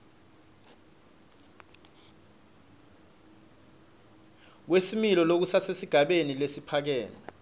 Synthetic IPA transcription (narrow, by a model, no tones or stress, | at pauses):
k̬wesimilɔlok̬usasesiɡ̥ʱaɓenilesipʰak̬ɛːna